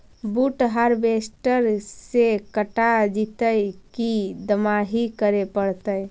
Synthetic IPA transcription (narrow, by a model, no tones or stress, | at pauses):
buʈɦaɾbesʈəɾsekəʈad͡ʒit̪əjkid̪əmaɦikəɾepəɽt̪əj